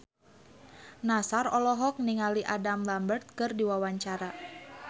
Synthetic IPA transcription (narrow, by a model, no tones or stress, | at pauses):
nasarɔlɔɦɔk̚niŋaliʔadamlambərt̪̚kɨrdiwawaɲt͡ʃaɾa